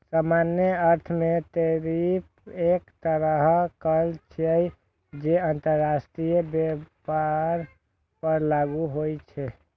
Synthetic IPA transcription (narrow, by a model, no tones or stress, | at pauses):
samanjəəɾt̪ʰmet̪əɾip̚ʰ | ekt̪əɾəɦkəlt͡ʃʰəj | d͡ʒeənt̪əɾːasʈɾijəbepaɾ | pəɾlaɡuɦojt͡ʃʰɛ